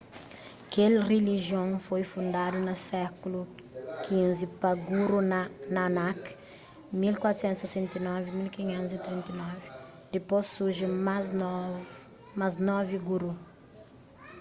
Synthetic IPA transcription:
kelreliʒjõŋfojfũnd̪ad̪unɐsɛkulu | kʰĩzipɐɡuɾunanak | milkwat̪ɾu̥sẽnt̪sesẽnt̪ɐnɔvimilkiɲẽnt̪uzit̪ɾĩnt̪ɐnɔvi | d̪̥eposːuɾʒe | maznɔviɡuɾu

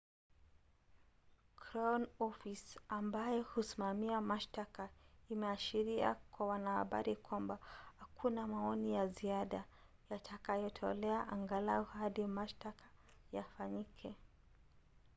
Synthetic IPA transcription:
kɾanɔfisambajɔhusimamiamaʃtakaimɛaʃiɾia̰kwawanaha̰ɓa̰ɾikwambahakʰunamaɔnijaziaɗa | jatʰakajɔtʰɔ̰lɛaʔaŋɡalaɔhaɗimaʃtakḁ | jafaɲikʰɛ

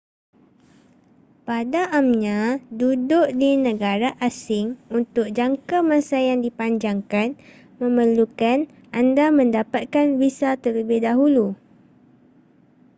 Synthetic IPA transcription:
padaʔamɲãdudʊʔdinə̃ɡaɾaʔasɪŋunt̪ʊk̚d͡ʒaŋkamãsajaŋdipaɲd͡ʒaŋkan | mə̃məlukan | andamə̃ndapat̪̚kanbisat̪ələbɪhdaɦulu

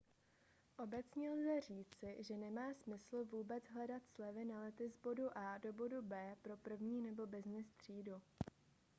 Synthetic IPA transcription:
ʔo̞bɛt͡sɲɛlzɛr̝iːt͡sɪʒɛnɛmaːsmɪsl̩vuːbɛd͡zɦlɛdat̪slɛvɪnalɛt̪ɪzbo̞duʔaːdo̞bo̞dubɛːpɾo̞pr̩vɲiːnɛbo̞bɪznɪst̪r̝̥iːdu

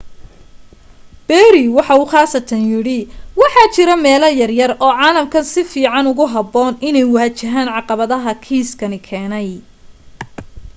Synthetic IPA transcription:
b̥ɛːɾɪwɑħɑuːχɑːsɐt̪ʰɐnjɪɽɪwɑħɑt͡ʃɪɾɐmɛːlɐjɐrjɐrɔːʕɑːlɐmkʰɐnsɪfiːʕɑnʊɣʊɦɑbɔːnɪnɛjwʊhɐt͡ʃɐɦaːnʕɑqɑβɐðɐɦɐkʰiːskʰɐnɪkʰɛːnɛj

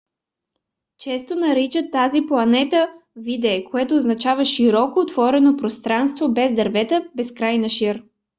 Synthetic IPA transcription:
t͡ʃɛst̪onɐɾit͡ʃət̪ːaziplˠɐnɛt̪əvid̪ɛːkoɛt̪oːznɐt͡ʃavəʃiɾɔkoːt̪vɔɾɛnopɾost̪ɾanst̪vobɛzd̪ɐɾvɛt̪əbɛskɾajnɐʃiɾ

